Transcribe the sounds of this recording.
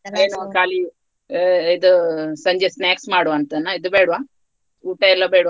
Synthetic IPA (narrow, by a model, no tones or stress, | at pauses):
eːnukaːli | id̪usɐɲd͡ʒesnjaːksmaːɽuʋɐnt̪ɐnːaid̪ubeːɽuʋaː | uːʈɐɛlːɐbeːɽuʋa